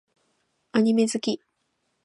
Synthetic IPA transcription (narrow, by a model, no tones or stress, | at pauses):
aɲ̟ime̞zɨkʲi